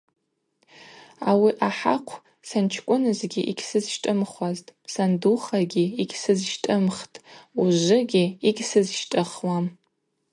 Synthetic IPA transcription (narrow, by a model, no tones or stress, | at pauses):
a̰wiʔaħa̰qʷʰ | sant͡ʃʰkʷʼʊnɨzɡʲiʔiɡʲsɨzʃtʼɨmχʷaztʼsanduχaɡʲiiɡʲsɨzʃtʼɨmχtʼuʒʷɨɡʲiiɡʲsɨzʃtʼɨχwam